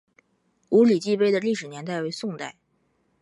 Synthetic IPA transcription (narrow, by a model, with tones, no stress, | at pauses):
u˧˥li˨˩t͡ɕi˥˧pe˥ɪd̪ə˨li˥˩ʂɻ̩˨˩njɛ˧˥nt̪a˥˩ɪwe˧˥ɪsʊ˥˧ŋt̪a˥˩ɪ